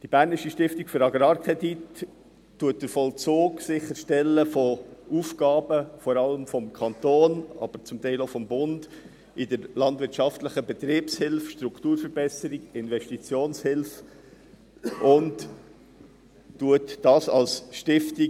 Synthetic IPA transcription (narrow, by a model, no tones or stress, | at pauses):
d̥ibæːɾniʃiʃtɪftikføɾɑɡɾɑːɾkʰʁɛditː | uət̚d̥əɾfɔlt͡soːksɪχəɾʃtɛlːəfɔuːfɡ̥ɑːbəfɔɾɑləmfɔmkʰɑnt̪oːnɑ̰b̥əɾt͡sʊmtɛɪloʊfɔmbʊnd | ɪdəɾlɑndvɪɾt͡ʃɑftləχəbɛt̪ɾiːpshɪlfʃtɾuktuːɾfəɾbɛsəɾiɡɪnvɛʃtit͡sjoːnshɪlf | ʔʊnt | uətdɑːsɑlsʃtɪfti